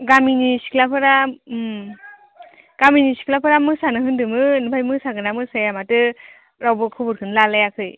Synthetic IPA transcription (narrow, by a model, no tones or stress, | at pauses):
ɡaminisi̥kʰlapʰɯɾa | ɡ̥aminisi̥kʰlapʰɯɾamɯsanɯɦɯndɯmɯnɯbʰʱajmɯsaɡɯnamɯsajamatɯ | ɾawbɯkʰɯbɯɾkʰɯnlalajakʰɯj